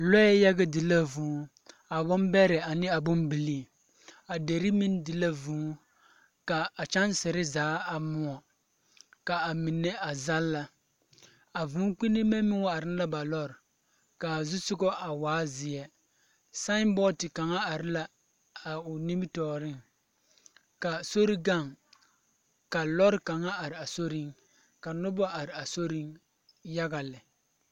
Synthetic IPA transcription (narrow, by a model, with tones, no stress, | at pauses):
lɔ˦jɛ˦jɛ˦ɡa˦dɪ˨la˦vũː˨˦ | a˨bʊ˦mbɛ˦ɾɪ˨a˨nɪ˦a˨bʊ˦mbi˨li˦˨ | a˨de˨ɾɪ˦mi˦n˦dɪ˨la˦vũː˨˦ | ka˨a˨t͡ʃa˦nsɛ˨ɾɪ˦zaː˨˦a˨mʊ˦ɔ˨ | ka˨a˨mi˨nːɛ˦a˨za˦lːa˨ | a˨vũ˨˦k͡pi˦nɪ˦mɛ˦mɪ˦ŋɔ˦a˨ɾɪ˦n˦la˦ba˨lɔ˦ɾ | ka˨zʊ˦sʊ˦ɡɔ˦ʔa˨waː˦zɪ˨ɛ˦ | sa˦nbɔ˦tɪ˨ka˨ŋa˦a˨ɾɪ˦la˦ | a˨ʊ˨ni˦m˦tɔː˨ɾɪ˦ŋ | ka˨so˦ɾi˦ɡa˦˨ŋ | ka˨lɔ˦ɾka˨ŋa˦a˨ɾɪ˨a˨so˦ɾɪ˦ŋ | ka˨nʊ˦bɔ˦ʔa˨ɾɪ˨a˨so˦ɾɪ˦ŋ | ja˦ɡa˨lɪ˨